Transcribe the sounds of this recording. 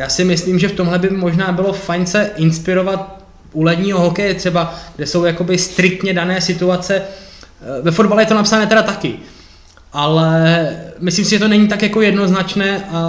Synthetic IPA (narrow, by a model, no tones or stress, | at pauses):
jaːsɪmɪsliːmʒɛft̪o̞mɦlɛbɪmo̞ʒnaːbɪlo̞fajnsɛʔɪnspɪɾo̞vat̪̚ | ʔulɛdɲiːɦo̞ɦo̞kɛjɛt̪r̥ɛbaɡ̥dɛso̞wjako̞bɪst̪ɾɪk̚t̪ɲɛdanɛːsɪt̪uat͡sɛ | vɛfo̞d̚balɛjɛt̪onapsanɛːt̪ɛɾat̪akɪ | ʔalɛ | mɪsliːmsɪʒɛt̪onɛɲit̪akjako̞jɛdno̞znat͡ʃnɛːʔa